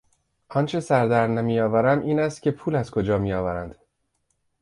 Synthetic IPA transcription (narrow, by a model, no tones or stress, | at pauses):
ʔɒnt͡ʃʰe̞sæɾd̪æɾnæmijɒːvæɾæmʔiːnæst̪̚cʲʰe̞pʰuːlæzkʰo̞d͡ʒɒːmijɒːvæɾænd̪̥